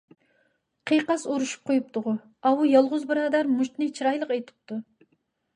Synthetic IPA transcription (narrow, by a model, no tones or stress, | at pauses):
qʰijqɑsoɾuʃu̥p̚qʰojup̚t̪ʊʁʊ | ɑwujɑlˠʁʊzbɨɾɑːd̪ɑɾmuʃt̪nɨt͡ʃʰiɾɑjlˠəqejt̪ʰɪ̥p̚t̪u